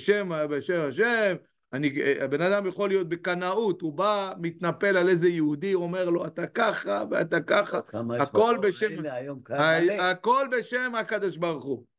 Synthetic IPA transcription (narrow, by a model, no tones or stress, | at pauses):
eʃemabeʃemhaʃem | aniabe̞nad̪amjaχo̞lijo̞t̪̚bekanaut̪ubamit̪nape̞lalezejeud̪iome̞ʁlo̞at̪akaχavea̰t̪akaχaako̞lbeʃemjaako̞lbeʃemakad̪oʃbaʁuχu